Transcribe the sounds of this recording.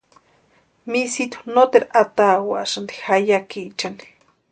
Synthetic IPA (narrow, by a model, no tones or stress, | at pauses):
misit̪u̥not̪eɾaat̪awa̰ʃand̪i̥xajakit͡ʃani̥